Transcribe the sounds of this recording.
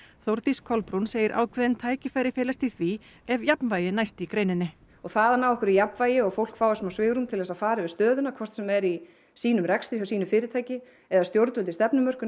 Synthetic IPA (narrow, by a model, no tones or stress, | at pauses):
θowɾt̪iskʰɔlpɾunseːjɪɾʔa̰ːwkʰvɛðɪnt̪ʰaːjcɪfaːjɾɪfɪːlast̪iθvi | ɛvjapnvaːjɪnajst̪ikɾeːjnɪnːɪ | ɔɣθaðanaːwɛhkʏɾijapnvaːjɪɔɣfowl̥kfaːwɪsmawsvɪːɣɾumt̪ʰɪlɛsafaːɾɪvɪðst̪œːðʏnakʰvɔr̥t̪sɛmɛɾi | siːnʏmrɛkst̪ɾɪɔsiːnʏfɪːɾɪt̪ʰaːjcɪ | ɛðast̪jowɾt̪vʏlt̪ɪst̪ɛpnʏmœr̥kʏ